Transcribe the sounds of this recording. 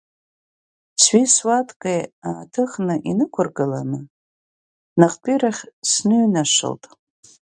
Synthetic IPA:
sɥiswatʰʼkʼejaːtʰɨχnɨʔinɨkʷʰʊrɡɨla̰nɨ | naqʼpʼiɾaχʲsnɨɥnaʂɨ̰ltʼ

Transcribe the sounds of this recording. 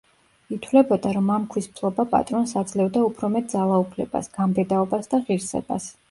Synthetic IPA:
it̪ʰwlɛbɔd̪aɾɔmamkʰwispʰlˠɔbapʼa̰t̪ʼɾɔnsad̪zlɛvd̪aupʰɾɔmɛt̪̚d̪zalˠaupʰlɛba̰sɡ̥ambɛd̪aɔbasd̪aʁiɾsɛ̰ba̰s

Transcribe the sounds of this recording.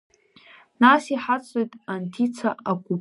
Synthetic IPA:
nasiħat͡sʼojtʼantʰit͡sʰaʔakʷu

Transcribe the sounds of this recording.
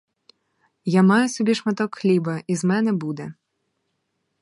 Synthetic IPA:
jamajʊsɔbʲiʂmɐt̪ɔkxlʲibɐʔizmɛnɛbud̪ɛ

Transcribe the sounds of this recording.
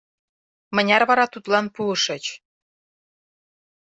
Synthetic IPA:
mə̆nʲɑrβɑɾɑt̪ut̪lɑnpuəʃɤ̆t͡ɕ

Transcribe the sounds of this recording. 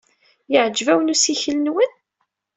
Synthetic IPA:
jəʕd͡ʒːvæwənusiçələnwən

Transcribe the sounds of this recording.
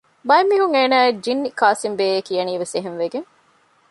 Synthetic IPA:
bɐemːiːɦuŋeːnæːed͡ʒinːikaːsimbeːekijɐniːʋeseɦenʋeɡeŋ

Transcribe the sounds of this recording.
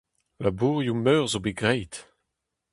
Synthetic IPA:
labuːʁjumœːʁzobeɡʁɛjt

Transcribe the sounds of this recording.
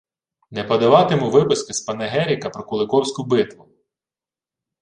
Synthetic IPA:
nɛpɐd̪ɐʋɑt̪ɪmʊʋɪpʊskɪspɐnɛɦɛɾʲikɐpɾɔkʊlˠɪkɔwsʲkʊbɪt̪ʋʊ

